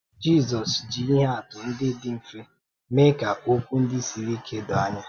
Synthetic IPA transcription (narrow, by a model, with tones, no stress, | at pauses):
d͡ʒi˦˨zɔ˨sd͡ʒi˨i˦ɦe˦a˨tʊ˨n̩˦dɪ˦dɪ˦m̩˨fe˦ | me˦ka˨ʔo˦kʷu˦n̩˦dɪ˦si˨ɾi˦kʰe˦dɔ˨a˦ɲa˦